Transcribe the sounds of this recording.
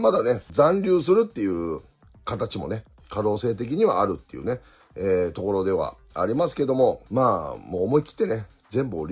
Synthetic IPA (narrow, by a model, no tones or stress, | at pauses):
mad̪ane̞zãnɾʲɨːs̬ɨɾɯ̟t̪ːe̞jɯ̟ː | kat̪at͡ɕimo̞̰ne̞ | kad̪o̞ːse̞ːt̪̬e̞k̬ʲiɲ̟iβa̰ːɾɯ̟t̪ːe̞jɯ̰ːne̞ | eːt̪o̞ko̞ɾo̞d̪e̞β̞a̰ | a̰ɾʲimasɨ̥ke̞d̪o̞mo̞maːmoːmo̞ikʲi̥t̪ːe̞ne̞ | zẽ̞mbɯ̟oɾʲ